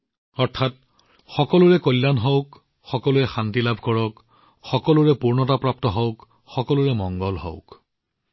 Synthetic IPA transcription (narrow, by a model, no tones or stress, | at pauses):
ɔɹtʰat̚ | xɔkɔlʊɹɛkojlːanɦɔʊk | xɔkɔlʊɛxantilabʱkɔɹɔk | xɔkɔlʊɹɛpuɹnɔtapɹap̚tɔɦɔʊk | xɔkɔlʊɹɛmɔŋɡɔlɦɔ̰ʊk